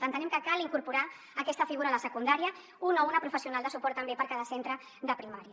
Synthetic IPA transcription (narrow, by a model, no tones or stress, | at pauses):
ənt̪ənɛmkəkaliŋkuɾpuɾaː | kɛst̪əfiɣuɾaːləsəkund̪aɾjə | unounəpɾufəsiunalˠd̪əsupɔɾt̪ːəmbepəɾkaðəsent̪ɾə | ðəpɾimaɾjə